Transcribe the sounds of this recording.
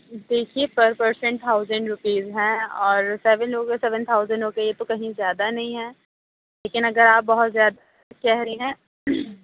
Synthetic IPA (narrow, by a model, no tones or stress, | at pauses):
d̪eːkʰiepɐɾpəɾsɛ̃ɳʈ̚t̪ʰaːʊzə̃ɳɖɾʊpiːzɦɛ̃ɔːɾsɛːʋə̃nɾoːkesɛːʋə̃nt̪ʰaːʊzə̃ɳɖɦoːkejet̪okɐɦĩzjaːd̪anɐɦĩɦɛ̃ː | leːkɪnɐɡəɾaːp̚bɐɦʊt̪zjaːd̪a | kɛɦɾiɦɛ̃ː